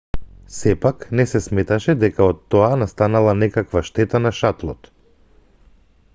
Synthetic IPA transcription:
sɛpaknɛsɛsmɛt̪aʃɛd̪ɛkaɔt̪ːɔanast̪analˠanɛkakvaʃt̪ɛt̪anaʃat̪lˠɔt̪

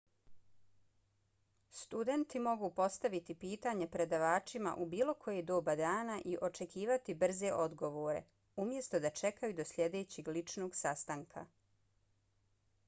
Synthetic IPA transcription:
st̪ud̪e̞nt̪imo̞ɡupo̞st̪aʋit̪ipiːt̪aːɲe̞pɾe̞d̪aʋaːt͡ʃima̰ʔubiːlˠo̞kʰo̞jed̪oːbad̪aːnaʔiʔo̞t͡ʃe̞kiːʋat̪ibr̩ze̞ʔo̞d̪ɡo̞ʋoːɾe̞̰ | umje̞st̪o̞d̪at͡ʃe̞kajud̪o̞slʲʎʲje̞d̪e̞ːt͡ɕiɡlit͡ʃno̞ːɡsast̪aŋkʰa̰

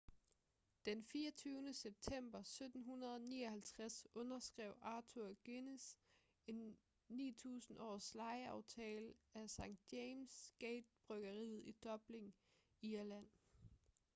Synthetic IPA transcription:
d̥enfiːɐt͡sʰyːʊnəseb̥̚t͡sʰem̰b̥ɐsød̥n̩ɦunɐðˠɒnḭːɒ̽hælt͡sʰʁasɔ̽nɐsɡ̥ʁɛʊ̰ʔɑ̈ːt͡sʰuɐɡ̥enis | e̝nː | ḭːt͡sʰṵːsn̩ɒ̰ːslɑ̈ɪəɑ̈ʊt͡sʰɛ̰ːlæsɑ̈ŋ̰d̥jeɪmsɡ̥eɪd̥̚b̥ʁœɡ̥ɐʁḭːð̩ˠid̥ɒ̽b̥le̝ŋ | iɐlæn̰

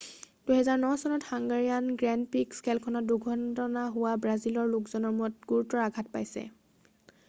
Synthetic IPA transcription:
d̥ujɦɛzaɹnɔsɔnɔthaŋɡaɹijanɡɹɛnpikskɛlkʰɔnɔt̚duɡʱɔntɔnaɦʊwabɹazilɔɹlukzɔnɔɹmuɔt̚ɡ̥uɹutːɔɹaɡʱat̚pa̰jsɛ̰

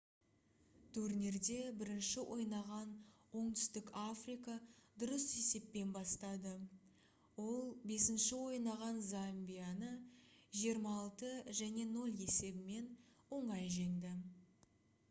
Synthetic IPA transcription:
t̪ʰɵɾne̞ɾd̪e̞bɪɾɪnʃɪwʔo̞jnɑʁɑnwo̞ɴt̪ʏ̥st̪ɪkafrijkad̪ʊɾəse̞se̞pːe̞nbɑst̪ɑd̪ə | wo̞lˠbe̞sɪnʃɪwo̞jnɑʁɑnzambʲijanəʒijəɾmɑːlˠt̪əʒæne̞no̞lʲˠe̞se̞bɪme̞nwo̞ɴɑjʒend̪ɪ

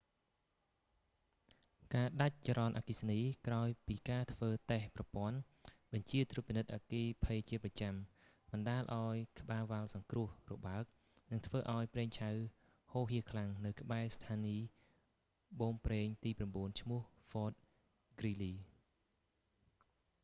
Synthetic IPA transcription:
kaːɗac̚t͡ɕɾɑnʔa̰kisniːkraɔjpiːkaːt̪ʰʋəːt̪ehprɑpŏən | ɓɑɲt͡ɕiət̪rut̚pːinɨt̪̚ʔaːkiːpʰəjt͡ɕiət̚prɑt͡ɕam | ɓɑnɗaːlʔaɔjkʰə̆ɓaːʋalsɑŋkrʊ̆əhrɔɓaək̚ | nɨŋt̪ʰʋəːʔaɔjpreːŋt͡ɕʰaw | hoːɦiəkʰlaŋnɨwkə̆ɓaɛst̪ʰaːniː | ɓoːŋpreːŋt̪iːpramɓuənt͡ɕʰmʊ̆əh | fɔːt̪̚ | ɡ̥riːliː

